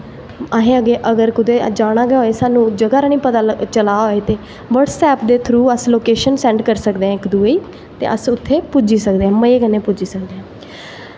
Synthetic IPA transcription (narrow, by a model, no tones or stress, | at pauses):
əɦẽːəɡeːʔəɡəɾkʊd̪eːd͡ʒaːɽaːɡɦoːeːsaːnũːd͡ʒəɡaːɾaːñĩːpət̪aːt͡ʃəlaːɦoːeːt̪eː | ʋəʈsɛːpd̪eːt̪ʰɾuːəsloːkeːʃənsɛ̃ːɳɖkəɾsəkd̪eːɦɛ̃ːɪkd̪uːeːiː | t̪ḛːʔəsʊt̪ʰːeːpʊd͡ʒiːsəkd̪eːɦɛ̃ːməeːkəneːpʊd͡ʒiːsək̚d̪eːɦɛ̃ː